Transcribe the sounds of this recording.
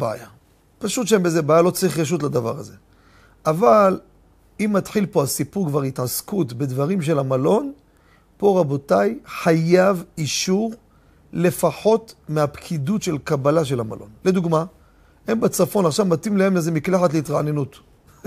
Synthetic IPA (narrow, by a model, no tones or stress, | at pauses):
bea̰ja | paʃutʃeembezebajalo̞t͡saʁiχʁeʃ̬ut̬lad̪ava̰ʁa̰ze̞ | ʔaval | imːatħilpo̞asipuʁkvaʁitʕaskutbe̞dvaʁimʃ̬e̞lamalo̞n | po̞ʁabo̞tajħajaviʃuʁ | le̞faħo̞tmeapkʰidutʃe̞lkabalaʃ̬e̞lama̰lʔo̞̰nle̞d̪uɡma | e̞mbet͡safo̞naχʃavmatimlae̞mleze̞miklaħatleit̪ʁaʕnenut